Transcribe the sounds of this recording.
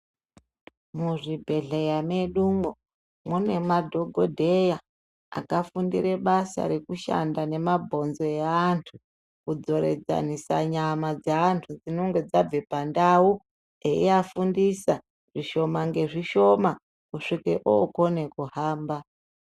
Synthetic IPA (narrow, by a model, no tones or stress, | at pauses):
muʐibʱe̞ɮejame̞ɗumo | mune̞madʱo̞ɡʱodʱe̞ja | a̰kafundḭɾe̞ɓasa̰ɾe̞kuʃa̰ndane̞mabʱo̞nzo̞jaantʰu | kud͡zo̞ɾe̞̰d͡za̰nisa̰ɲamad͡zaantʰud͡zino̞ŋɡe̞d͡zab͡vepandau | eiafundisa | ʐ̥iʃo̞maŋɡe̞ʐiʃo̞ma | kuʂikḛʔoːko̞ne̞kuhaːmba